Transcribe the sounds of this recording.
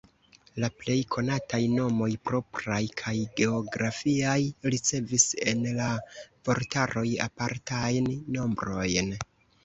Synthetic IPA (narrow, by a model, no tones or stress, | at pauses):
laple̞jkʰo̞natajno̞mo̞jpɾo̞pɾajkʰajɡe̞o̞ɡɾafiajɾit͡se̞vise̞nlav̥o̞ɾtaɾo̞ja̰paɾtajnːo̞mbɾo̞jn